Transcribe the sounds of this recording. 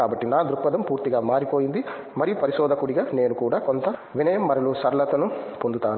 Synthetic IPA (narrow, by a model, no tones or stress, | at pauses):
aːbɐʈːinaːd̪ɾupːɐd̪ɐmpuːɾt̪iɡaːmaːɾipo̞ːjind̪i | mɐɾijupɐɾiʃɔːd̪ʱɐkuɽiɡaːne̞ːnukuːɽaːko̞nt̪ɐʋinɐjɐmːɐɾɐlusɐɾlɐt̪ɐnupond̪ut̪aːnu